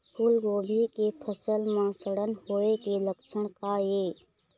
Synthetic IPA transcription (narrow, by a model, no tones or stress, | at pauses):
pʰulɡoːbʱikepʰəsəlmãsəɽənhoekeləkt͡ʃʰəɽ̃kaje